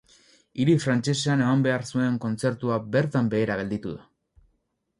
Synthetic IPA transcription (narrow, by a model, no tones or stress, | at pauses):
iɾifɾant͡ʃe̞seane̞mambe̞aɾsue̞ŋko̞nt͡se̞ɾt̪uabe̞ɾt̪ambe̞ːɾaɣ̞e̞ld̪it̪uða